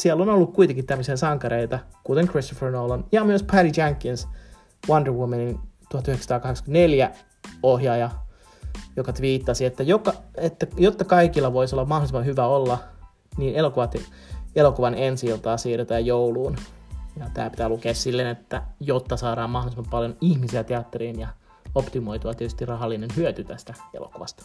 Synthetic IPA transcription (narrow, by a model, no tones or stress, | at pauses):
siɛlːonolːukkuit̪eŋkit̪t̪æmːøsiɑsɑŋkɑɾeit̪ɑkut̪eŋkrist̪ofernoːlɑnjɑmyøspʰæɾid͡ʒæŋkːins | wɑndərwumenint̪uhɑt̪yhekst̪ɑːkɑheksɑ̥kneljæ | ohjɑjɑ | jokɑt̪ʋiːt̪ːɑsiet̪ːæjokːɑet̪ːæjot̪ːɑkɑikilːɑʋoisolːɑmmɑholisemɑhyʋæolːɑ | niːnelokuʋɑt̪ | elokuʋɑnensiilt̪ɑːsiːret̪æːjjouluːnjɑt̪æ̰ːpi̥t̪æːlukeːssilːenet̪ːæjot̪ːɑsɑːɾɑːmmɑholisemɑpɑljonihmisiæt̪eɑt̪ːeriːnjɑ | opt̪imoit̪uɑt̪iet̪y̥st̪irrɑɦɑlːinenhyøt̪yt̪æst̪æḛlo̰kuʋɑst̪ɑ̥